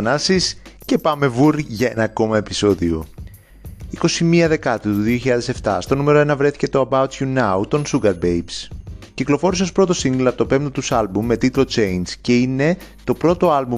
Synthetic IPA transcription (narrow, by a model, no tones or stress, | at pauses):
nɐsisce̞pɐme̞vuɾʝɐe̞nɐko̞mɐe̞piso̞ðio̞̰ | iko̞simiɐðe̞kɐt̪ut̪uðioçiʎɐðe̞se̞ft̪ɐ̰st̪o̞nume̞ɾo̞e̞nɐvɾe̞θi̥ce̞t̪o̞ɐbɐut͡sjunɐut̪o̞nsuɡɐɾbejbsciklo̞fo̞ɾiseo̞spɾo̞t̪o̞siŋɡlɐpot̪ope̞mt̪ot̪usɐlbumːe̞t̪it̪lo̞t͡ʃe̞jnsce̞ine̞t̪o̞pɾo̞t̪o̞ɐlbu